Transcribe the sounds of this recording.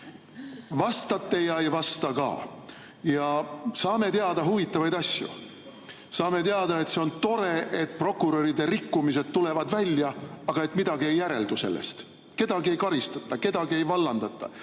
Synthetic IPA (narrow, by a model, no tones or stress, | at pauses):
vɑst̪ɑt̪ːe̞jɑejvɑst̪ɑkɑ̰ː | jɑsɑːme̞t̪eɑd̪ɑɦuvit̪ːˑɑvɑjd̪ɑsʲjṵ | sɑːme̞t̪eɑd̪ɑe̞t̪se̞o̞nt̪o̞ɾe̞ʔet̪̚ːˑpro̞kːˑuɾoɾid̪e̞ɾikːumis̬e̞d̪̚t̪ːule̞vɑd̪vælʲjɑɑɡ̥ɑe̞t̪mid̪̥ɑɡie̞jːæɾe̞̰ld̪use̞lːḛst̪ | ke̞d̪̥ɑɡie̞jkɑɾist̪ɑt̪ːˑɑke̞d̪ɑɡie̞jvɑlːɑnd̪ɑt̪ˑːɑ̰